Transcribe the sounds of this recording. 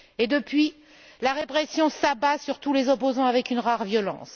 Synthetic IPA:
ed̪əpɥi | laʁepχɛsjɔ̃sabasyʁt̪ulezɔpozɑ̃avɛkynʁaʁvjɔlɑ̰̃ːs

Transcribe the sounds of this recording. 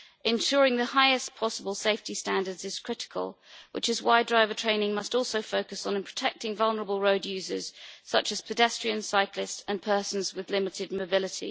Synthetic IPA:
ʔɪ̃nʃɔːɹɪ̃ŋðəhaɪɪspʰɒsəbəlˠseɪftistæ̃ndədzɨz̥kʰɹ̥ɪtɪ̥kʰə̰lˠwʔɪ̰t͡ʃɪzwaɪdɹaɪvətʰɹ̥ẽɪ̃nɪ̃ŋmʌstɔˑlˠsəʊfəʊkəsñ̩npʰɹ̥ə̥tʰɛk̚tɪ̃ŋvʌlˠnə˞əbəlˠɹəʊdjʉːzə̰z̥sʌt͡ʃəz̥pʰədɛstɹ̥iə̃nsaɪklɪstə̃npʰɜˑsə̃n̩zwɪðlɪmɪtʰɪd̚məʊbɪlɪtʰḭ

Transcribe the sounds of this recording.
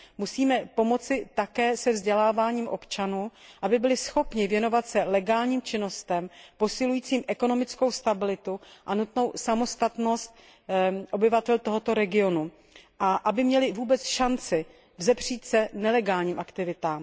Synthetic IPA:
musiːmɛpo̞mo̞t͡sɪt̪akɛːsɛvzɟɛlaːvaːɲiːmʔo̞pt͡ʃanuːʔabɪbɪlɪsxo̞pɲɪvjɛno̞vat̪sɛlɛɡaːlɲiːmt͡ʃɪno̞st̪ɛmpo̞sɪlujiːt͡siːmʔɛko̞no̞mɪt͡sko̞wst̪abɪlɪt̪uʔanut̪no̞wsamo̞st̪at̪no̞st̪̚ | ʔo̞bɪvat̪ɛlt̪o̞ɦo̞t̪o̞ɾɛɡɪo̞nu | ʔaʔabɪmɲɛlɪvuːbɛt͡sʃant͡sɪ | vzɛbr̝̥iːt̪sɛnɛlɛɡaːlɲiːmʔakt̪ɪvɪt̪aːm

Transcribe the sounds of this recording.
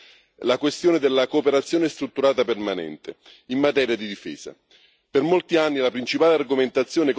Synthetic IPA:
lakwest̪joːned̪elːakoːpeɾat̪sjoːnɪst̪ɾut̪ːuɾaːt̪apermanɛ̰nt̪e | imːat̪ɛːɾjad̪id̪ifɛ̰ːsa̰ | permolt̪ianːilapɾint͡ʃipaːlearɡoment̪at̪sːjoːnek

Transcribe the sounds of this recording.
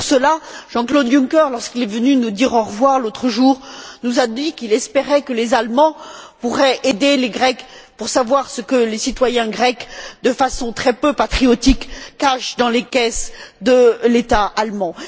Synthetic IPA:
pʁsəlaʒ̥ɑ̃klod̪jũkœʁlɔʁskilɛvənynud̪iʁɔ̃ʁəvwaʁlot̪χəʒuʁnuzad̪ikilɛspeʁɛkəlezalmɑ̃puʁɛʔed̪eleɡʁɛkpuʁsavwaʁsəkəlesit̪wajɛ̃ɡʁɛkd̪əfasɔ̃t̪χɛpøpat̪χiɔt̪ikːaʃd̪ɑ̃lekɛsd̪əlet̪aalmɑ̃

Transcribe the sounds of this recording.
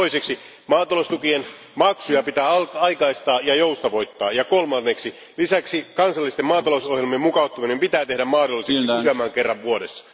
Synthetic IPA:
oiseksi | mɑːt̪ɑlost̪ukien | mɑksujɑpit̪æːɑikɑist̪ɑːjɑjoust̪ɑʋo̞jt̪ːɑːjɑkolmɑnːeksi | lisæksikɑnsɑlːˑist̪emɑːt̪ɑlousohjelmiemukɑut̪ːuminempit̪æːt̪e̞hdæmmɑːdolːˑiseksiæmæːŋkerːɑʋʋuodesːɑ̥

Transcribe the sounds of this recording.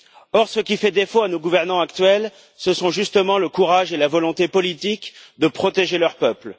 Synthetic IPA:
ɔʁsəkʲifɛd̪efoanoɡuvɛʁnɑ̃akt̪ɥɛl | səsɔ̃ʒyst̪əmɑ̃ləkuʁaʒelavɔlɔ̃t̪epɔlit̪ikd̪əpχɔt̪eʒelœʁpœpl

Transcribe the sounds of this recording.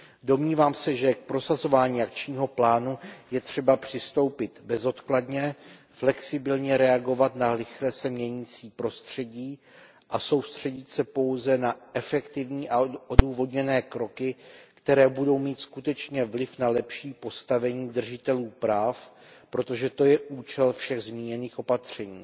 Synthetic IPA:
do̞mɲiːvaːmsɛʒɛk̚pɾo̞sazo̞vaːɲiːʔak̚t͡ʃɲiːɦo̞plaːnujɛt̪r̝̥ɛbapr̝̥ɪst̪o̞wpɪt̪bɛzo̞t̪kladɲɛ | flɛksɪbɪlɲɛɾɛaɡo̞vat̪nalɪxlɛsɛmɲɛɲit͡siːpɾo̞st̪r̝̥ɛɟiː | ʔaso̞wst̪r̝̥ɛɟɪt̪sɛpo̞wzɛnaʔɛfɛkt̪ɪvɲiːʔaoduːvo̞dɲɛnɛːkɾo̞kɪkt̪ɛɾɛːbudo̞wmiːt̪skut̪ɛt͡ʃɲɛvlɪfnalɛpʃiːpo̞st̪avɛɲiːd̪r̩ʒɪt̪ɛluːpɾaːfpɾo̞t̪o̞ʒɛt̪o̞jɛʔuːt͡ʃɛlfʃɛɣzmiːɲɛniːxʔo̞pat̪r̝̥ɛɲiː

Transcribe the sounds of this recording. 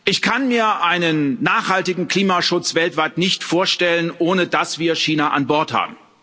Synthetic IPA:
ʔɪçkʰanmiːɐʔaɪnənːaːχhaltɪɡŋ̩kl̥iːmaʃʊt͡sv̥ɛltv̥aɪtnɪçtfoːɐʃtɛlənʔoːnədasv̥iːɐʃiːnaʔa̰nbɔɐtha̰ːbm̩

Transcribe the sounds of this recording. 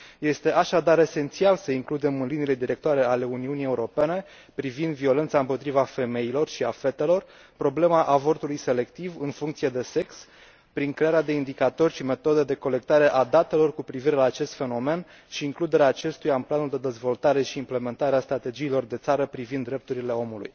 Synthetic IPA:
je̞st̪e̞ʔaʃad̪aɾe̞se̞nt̪sialsəiŋklud̪e̞mɨnlinile̞d̪iɾe̞kt̪oaɾe̞ale̞uniunije̞uɾo̞pe̞ne̞ | pɾivind̪vio̞le̞nt̪saɨmpo̞t̪ɾivafe̞me̞ilo̞rʃiafe̞t̪e̞lo̞r | pɾo̞ble̞maʔavo̞rt̪ulujse̞le̞kt̪ivɨnfuŋkt̪sije̞d̪e̞se̞ks | pɾiŋkɾe̞aɾead̪e̞ind̪ikat̪o̞rʲʃime̞t̪o̞d̪ed̪e̞ko̞le̞k̚t̪aɾe̞ʔad̪at̪e̞lo̞rkupɾiviɾe̞laːt͡ʃe̞st̪fe̞no̞me̞n | ʃiːŋklud̪e̞ɾeaːt͡ʃe̞st̪ujaɨnplanuld̪e̞d̪e̞zvo̞lt̪aɾe̞ʃiːmple̞me̞nt̪aɾeast̪ɾat̪e̞d͡ʒiːlo̞rd̪e̞t̪saɾəpɾivind̪ːɾe̞p̚t̪uɾile̞o̞mulṵj

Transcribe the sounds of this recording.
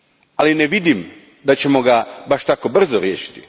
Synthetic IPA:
alineʋid̪im | d̪at͡ɕe̞mo̞ɡabaʃt̪ako̞br̩zoɾjeːʃi̥t̪i̥

